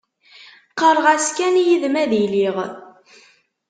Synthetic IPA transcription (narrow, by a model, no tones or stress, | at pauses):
qəɾˤʁæskænjiðmæðiliʁ